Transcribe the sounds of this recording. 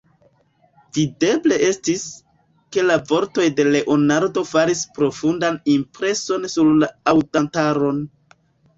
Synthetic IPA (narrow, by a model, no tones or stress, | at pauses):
vide̞ble̞ʔe̞stis | ke̞lavo̞ɾto̞jde̞le̞ʔo̞naɾdo̞faɾispɾo̞fundanimpɾe̞so̞nsuɾlaawtantaɾo̞n